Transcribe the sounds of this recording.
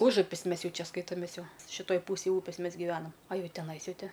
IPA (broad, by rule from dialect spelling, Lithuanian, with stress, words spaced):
ˈʊʒʊpʲɪs ˈmʲɛs ˈjɛʊ ˈt͡ʃʲɛ ˈskɐɪtoːmʲeːs ˈjɛʊ ʃʲɪˈtoːj ˈpuːsʲeːj ˈuːpʲeːs ˈmʲɛs ɡʲɪˈʋʲæːnɐm ɐ ˈjɛʊ tʲɛˈnɐɪs ˈjɛʊ ˈtʲɪ